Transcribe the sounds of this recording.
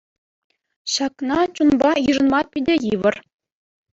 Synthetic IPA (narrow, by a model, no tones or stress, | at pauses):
ɕɑknɑt͡ɕunbɑjɯʐɤ̆nmɑpʲidʲĕjiʋɤ̆r